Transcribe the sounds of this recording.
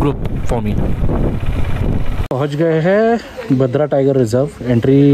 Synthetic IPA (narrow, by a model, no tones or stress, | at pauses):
ɡɾupfɔmi | pɐɦʊ̃t͡ʃɡɐeɦɛ | bɐd̪ʱɾaʈajɡəɾːɪzəɾʋẽɳʈɾi